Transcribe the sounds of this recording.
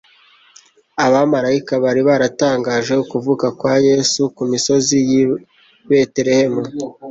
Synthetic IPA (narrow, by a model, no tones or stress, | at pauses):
aβamaɾaikaβaɾiβaɾataːŋɡaːʒe̞ukuvukakwaːje̞sukumiso̞ziji | βe̞teɾe̞he̞mu